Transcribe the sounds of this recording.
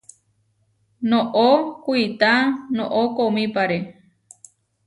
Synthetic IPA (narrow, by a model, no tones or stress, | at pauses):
nõʔokʷuit̪anõʔokomĩpaɾe